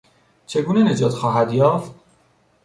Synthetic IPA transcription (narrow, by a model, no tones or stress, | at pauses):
t͡ʃʰe̞ɡuːnene̞d͡ʒɒːt̪xɒːɦæd̪jɒːft̪̚